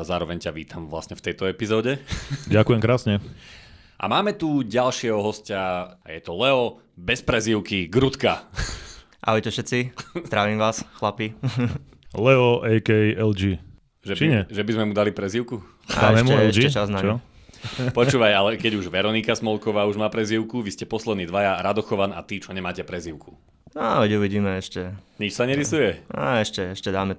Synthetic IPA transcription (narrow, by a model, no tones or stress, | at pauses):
zaːɾɔʋɛɲcaʋiːt̪ʰamʋla̰sɲɛft̪ɛjt̪ɔɛpizɔːɟɛɟakujɛmkɾaːsɲɛ | ʔa̰maːmɛt̪uɟalʃɪɛɦɔɦɔscajɛt̪ɔlɛɔ | bɛspɾɛziʊkiɡɾut̪ka | ʔa̰ɔjt̪ɔfʃɛt̪t͡sizd̪ɾaːʋiːmʋaːsxlapi | lɛɔʔɛjkɛjɛld͡ʒi | ʒɛt͡ʃiɲɛʒɛbizmɛmud̪alipɾɛziʊku | ad̰aɛmʃɛmuɛɛlɛʃd͡ʒiɛt͡ʃaznaɔ | pɔuːʋajalɛkɛɟuʒʋɛɾɔnikasmɔlˠkɔʋaːuʒmaːpɾɛziʊkuʋiscɛpɔslɛd̪niːd̪ʋajaɾad̪ɔxɔʋana̰t̪it͡ʃɔɲɛmaːcɛpɾɛziʊkʰu̥ | aɔɟɛuʋiɟiːmɛɛʃcɛɲit͡ʃsaɲɛɾisujɛa̰ɛʃcɛɛʃcɛd̪aːmɛ